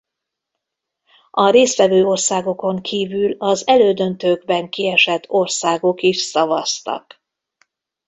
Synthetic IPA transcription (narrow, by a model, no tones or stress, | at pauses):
ɒɾeːst̪ʋɛvøːo̞rsaːɡo̞ko̞ŋkʰiːvylɒzɛløːd̪ønt̪øːɡ̚bɛŋkiɛʃɛt̪ʰːo̞rsaːɡo̞kiʃsɒvɒst̪ɒ̰k